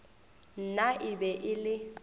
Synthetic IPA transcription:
n̩naʔɪbɛʔɪlɪ

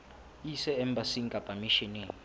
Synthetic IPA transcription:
isɛɛmbasiŋkʼapʼamiʃɛneːŋ

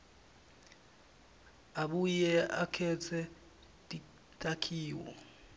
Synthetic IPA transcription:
aɓujɛakʰɛt͡sʰɛ | dʼi | tʼakʰiːwɔ̰

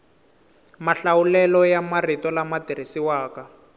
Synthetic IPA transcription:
maɬawulɛlɔjamaritɔlamadiɾisiwaːka

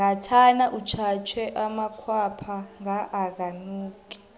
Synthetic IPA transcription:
ŋɡatʰanaʔut͡ʃʰat͡ʃʰwɛʔamakʰwapʰaŋaʔːk̬anuːkɛ̥

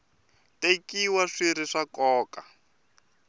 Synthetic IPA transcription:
tekiwaʂiɾiʂakɔːka

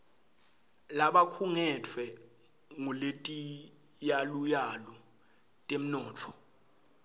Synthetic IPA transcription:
laɓakʰuŋɛtʰwɛ | ŋuletʼi | jalujalɔ | tʼem̩nɔːtʰɔ̥

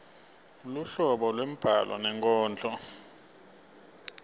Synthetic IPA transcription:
luɬɔɓɔlwem̩b̥ʱa̰lʔɔ̰nɛŋkʼɔːnd͡ɮʰʱʼɔ

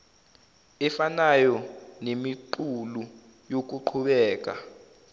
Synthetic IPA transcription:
ɛfanajɔnemiǃulu | jok̬uǃʰuɓɛːk̬ʼa̰

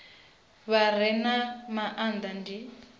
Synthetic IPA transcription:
βar̤ɛnamaʔand̪andi

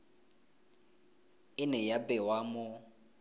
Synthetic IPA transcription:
ɪnɛjabɛwamʊ

